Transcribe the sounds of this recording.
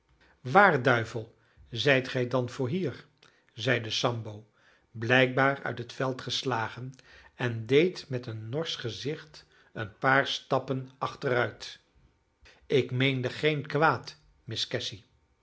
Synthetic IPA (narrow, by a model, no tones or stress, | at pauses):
ʋaːɹdœɥvəlˠ | zɛjtχɛjdɑnv̥ʊːɹɦiːɹ | zɛjdəsɑmbow | blɛjk̚baːɹœ̰ɥtɦətfɛlˠtχəslaːχənɛndejtmɛtənːɔɹsχəzɪχt | ənpaːɹstɑpənɑχtərœɥt | ɪkmejndəχejnkʋaːt | mɪskɛsi